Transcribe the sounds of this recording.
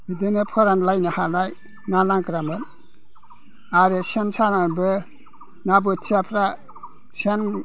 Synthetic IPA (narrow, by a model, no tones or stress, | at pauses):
bidɯnepʰɔɾanlajnihanaj | nanaŋkɾamen | aɾɯsensananbɯ | nabɯsiapʰɾa | sen